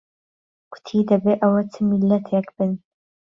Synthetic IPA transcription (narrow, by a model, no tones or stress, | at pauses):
kʰʷʊ̥t̪ʰiːd̪ɐbeːʔɐwɐtʰɨmilːɐt̪ʰekʰb̥ɨn